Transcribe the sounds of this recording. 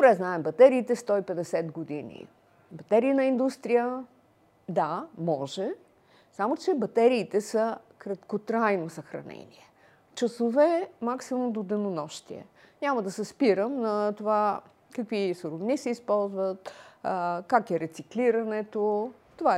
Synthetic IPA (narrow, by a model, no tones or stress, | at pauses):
d̪obɾɛznaɛmbɐt̪ɛɾiːt̪ɛst̪ɔipɛd̪ɛsɛt̪ɡod̪inḭ | bɐt̪ɛɾiːnɐind̪ust̪ɾijə | d̪amɔʒɛ | samot͡ʃɛbɐt̪ɛɾiːt̪ɛsə | kɾɐt̪kot̪ɾajnosɐxɾɐ̰nɛ̰nʲḭɛ | t͡ʃɐsovɛmaksimʊmd̪od̪ɛnonɔʃt̪iɛ̰ | nʲaməd̪ɐsɛspiɾəmnɐt̪ova | kəkvisoɾovnisɛispɔlˠzvət̪ | kakɛɾɛt̪sikliɾɐnɛt̪o | t̪ova